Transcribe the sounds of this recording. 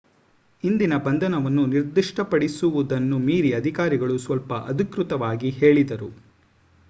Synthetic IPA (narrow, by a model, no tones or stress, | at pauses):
ind̪inɐbɐnd̪ʱɐnɐʋɐnːuniɾd̪iʂʈɐpɐɽisuʋud̪ɐnːumiːɾiɐd̪ʱikaːɾiɡɐɭusʋɐlpɐʔɐd̪ʱikɾut̪ɐʋaːɡiheːɭid̪ɐɾu